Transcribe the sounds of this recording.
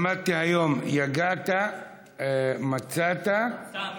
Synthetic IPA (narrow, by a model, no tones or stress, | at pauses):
mat̪ihajo̞mjaɡat̪a | mat͡sat̪a